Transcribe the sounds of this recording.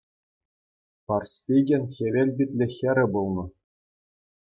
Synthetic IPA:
pɑrspʲiɡʲenʲxʲeʋʲelʲbʲit̪ʲlʲĕxʲeɾʲɘ̆bulˠnɤ̆

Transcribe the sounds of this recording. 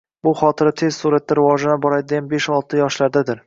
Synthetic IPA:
bʊχɒt̪ʰɪɾɪt̪ʰe̞z̥suɾat̪ːaɾɪvɒʒanɪbɒɾad̪ɪɡʲanbe̞ʃɒlˠt̪ʰɪjɒʃlaɾd̪ad̪ɪɾ

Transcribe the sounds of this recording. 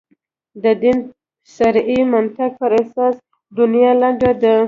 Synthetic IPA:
d̪əd̪in | saɾimant̪aɡ̚pəɾasɑs | d̪unjɑlaɳɡad̪a

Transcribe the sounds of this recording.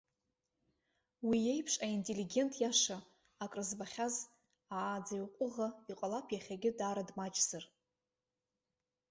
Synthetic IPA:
wijejpʰʂʼaintʼe̞liɡʲe̞ntʼʰjaʂaː | kʼrɨzbaχʲaz | aːd͡zajwqʷʼʊʁaiqʼalapʰjaχʲaɡʲɪdaːɾadmat͡ʃʼz̥ɨr

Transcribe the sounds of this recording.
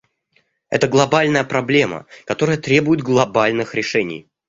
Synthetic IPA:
ɛ̰t̪əɡlˠɐbalʲnəjəpɾɐblʲe̞mə̰kɐt̪o̞ɾəjət̪ɾʲe̞bʊjɪd̪̚ɡlˠɐbalʲnɨxɾʲɪʂɛnʲɪ̰j

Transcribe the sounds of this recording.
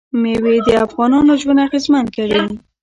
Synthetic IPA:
mewed̪əafɣɑnɑnoʒwənaxezmankaɾai

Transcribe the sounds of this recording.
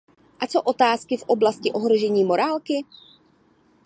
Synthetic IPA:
ʔat͡so̞ʔo̞t̪aːskɪfʔo̞blascɪʔo̞ɦɾoʒɛɲiːmo̞ɾaːlkɪ

